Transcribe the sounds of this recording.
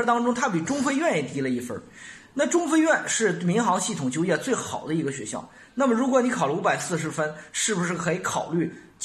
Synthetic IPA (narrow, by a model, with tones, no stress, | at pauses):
t̪ɑ˥ŋʈ͡ʂʊ˥ŋt̪ʰa˥pi˨˩ʈ͡ʂʊ˥ŋfe˥ɪɥɛ˥˩njɛ˧˩t̪i˧˥lə˧i˥˩fə̰˧˥ | na˥˩ʈ͡ʂʊ˥ŋfe˥ɪɥɛ˥˧nʂɻ̩˥˩mi˧˥ŋxɑ˧˥ŋɕi˥˩t̪ʰʊ˨˩ŋt͡ɕjo˥ʊjɛ˥˩t͡swe˥˩ɪxɑ˨˩ʊd̪ə˦i˧˥ɡə˧ɕɥɛ̰˧˥ɕjɑ̰˥˩ʊ | na˥˩mə˩ɻu˧˥kwɔ˧˥ni˧˥kʰɑ˨˩ʊlə˧u˧˥pa˨˩ɪsɹ̩˥˩ʂ̬ɻ̩˧˥fə˥nʂɻ̩˥˩u˩ʂɻ̩˥˩kʰɤ˧˥i˧˥kʰɑ˨˩ʊly˥˩ | t͡ɕ